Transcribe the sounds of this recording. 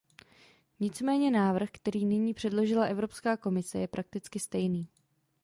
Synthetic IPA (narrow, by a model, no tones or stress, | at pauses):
ɲɪt͡smɛːɲɛnaːvr̩xkt̪ɛɾiːnɪɲiːpr̝̥ɛdlo̞ʒɪlaʔɛvɾo̞pskaːko̞mɪsɛ̰jɛpɾʔak̚t̪ɪt͡skɪst̪ɛjniː